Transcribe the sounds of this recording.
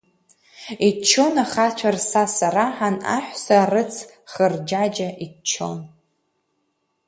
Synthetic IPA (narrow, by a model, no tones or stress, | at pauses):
it͡ʃʰːonaχat͡ʃʷʰarsasaraħana̰ħʷsarɨt͡sʰ | χərd͡ʒad͡ʒaʔit͡ʃʰo̞̰n